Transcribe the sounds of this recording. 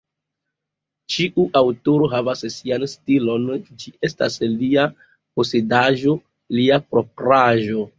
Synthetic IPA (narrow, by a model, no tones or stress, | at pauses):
t͡ʃiʔuʔawtoɾo̞ɦavassianstilo̞nd͡ʒiʔe̞sta̰slia | po̞se̞daʒo̞ | liapɾo̞pɾaʒo̞